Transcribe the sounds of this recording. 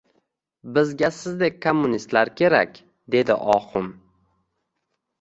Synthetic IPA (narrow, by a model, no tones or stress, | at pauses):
bɪzɡʲasɪzd̪ek̚ʲkʰomːʊnist̪laɾkʲʰe̞ɾa̰kʲ | d̪e̞d̪ɪ̰ʔɒqʊm